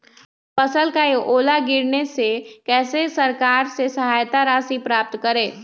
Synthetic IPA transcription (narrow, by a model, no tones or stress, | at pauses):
pɐsəlkaeʔoːlaɡɪɾnesekɛːsesɐɾkaːɾsesɐɦaːjt̪aɾaːsipɾaːp̚t̪kɐɾẽː